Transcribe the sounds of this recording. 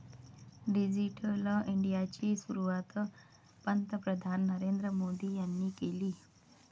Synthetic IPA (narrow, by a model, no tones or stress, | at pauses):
ɖid͡ʑiʈəliɳɖijat͡ɕiːsuɾuʋat̪ | pənt̪əpɾəd̪ʱanːəɾeːnd̪ɾəmoːd̪iːjanːiːkeliː